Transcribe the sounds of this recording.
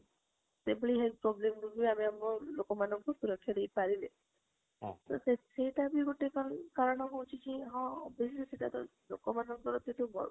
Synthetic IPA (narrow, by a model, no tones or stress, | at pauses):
t̪ebəɭiɦepɾɔblemɡuɡieameamɾɔlokɔmanɔŋkut̪uɾɔkʰiaɽejpaɾilẽ | t̪o̰seseiʈabiɡoʈekɔnkaɾɔɽ̃ɔkowt͡ʃʰit͡ʃʰiɦɔ̃beseseʈat̪ɔ̰lo̰kɔmanɔŋkɔɾɔt̪et̪ubɔ̰